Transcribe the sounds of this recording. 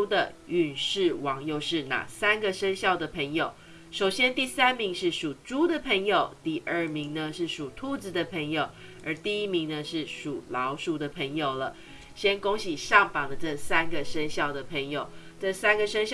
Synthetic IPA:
d̪ə̰˨y˨˩nʂɻ̩˥˩wɑ˧˥ŋjo˥˧ʊʂɻ̩˥˩na̰˨˩sa˥nɡə˨ʂə˥ŋɕjɑ˥˩ʊd̪ə˩pʰə˧˥ŋjo˨˩ʊ | ʂo˨˩ʊɕjɛ˥nt̪i˥˩sa˦˥nmi˧˥ŋʂɻ̩˥˩ʂu˨˩ʈ͡ʂu˥d̪ə˨pʰə˧˥ŋjo˨˩ʊt̪i˥˧ʔə˞˥˩mi˧˥ŋnə˧ʂɻ̩˥˩ʂu˨˩t̪ʰu˥˧t͡sɹ̩˧d̪ə˨pʰə˧˥ŋjo˨˩ʊ | ə˧˥t̪i˥˧i˥mi˧˥ŋnə˧ʂɻ̩˥˩ʂu˨˩lɑ˨˧˦ʊʂu˨d̪ə˨pʰə˧˥ŋjo˨˩ʊlə˦ | ɕjɛ˥nko˥ŋɕi˨˩ʂɑ˥˩ŋfɑ˨˩ŋd̪ə˦ʈ͡ʂə˥˩sa˥nɡə˨ʂə˥ŋɕjɑ˥˩ʊd̪ə˩pʰə˧˥ŋjo˨˩˦ʊ | ʈ͡ʂɤ˥˩sa˥nɡə˨ʂə˥ŋɕ

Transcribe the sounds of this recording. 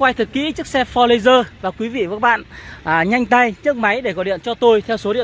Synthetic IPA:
kwa˧jt̪ʰɨ˨˩t̚kḭ˧˥t͡ɕɨ˦˥ək̚sɛ˧fɔ˧lə˧zəː˧vaː˨˩kwi˨˦vḭ˧˨və˨˩ka˦˥ɓa̰ː˧˨nː˨˩ɲa˧jŋ̟t̪a˧jt͡ɕɨ˦˥ək̚ma˨˦jɗe˧˩kɔ˨˦ɗḭ˧˨ənt͡ɕɔ˧t̪o˧jt̪ʰɛ˧wso˨˦ɗḭ˧˨

